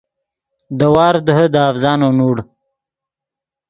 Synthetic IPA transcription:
d̪əwɑːɾd̪əɦəd̪əafzɑːnonuːɽ

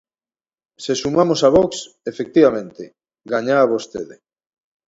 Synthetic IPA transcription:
sesumamosaβɔks | efek̚t̪iβamẽnt̪e | ɡaɲaːβost̪ḛðe

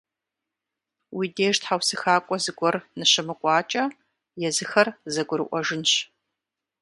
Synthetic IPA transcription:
wideːʒtħawsɨxaːkʷʼɔzɨɡʷɔrnɨɕɪmɨkʷʼɑːt͡ʃʼɐ | jɛzɨxɐrzɐɡʷʊɾɨ̰ʔʷɔʒɨnɕ

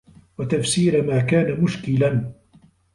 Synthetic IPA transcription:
wat̪afsiːɾmaːkaːnamʊʃkɪlan

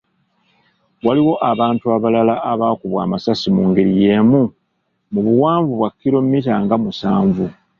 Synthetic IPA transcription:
waliwo̞ʔaβaːntuaβalalaʔaβaːkuβwa̰ːmasasimuːŋɡeɾije̞ːmu | muβuwaːɱvuβwakːiɾo̞mːit̬aŋɡamusaːɱvu

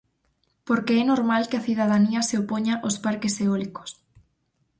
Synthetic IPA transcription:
poɾkeɛnoɾmalkɪɐθiðaðaniɐseopoɲaʔospaɾkeseɔliko̥s

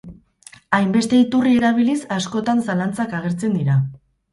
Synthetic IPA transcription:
ajmbe̞st̪e̞it̪urie̞ɾaβ̞ilisasko̞t̪ansalant͡sakaɣ̞e̞ɾt͡se̞nd̪iɾa

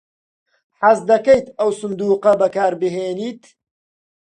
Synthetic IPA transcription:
ħazd̪ɐkɐjt̪ɐwsʊnd̪uːqɐbɐkaːɾbɨɦeːniːt̪

